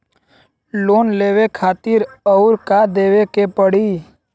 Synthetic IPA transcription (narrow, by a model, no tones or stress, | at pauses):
loːnleːwekʰaːt̪ɪɾəʊɾkad̪eːʋekepəɽiː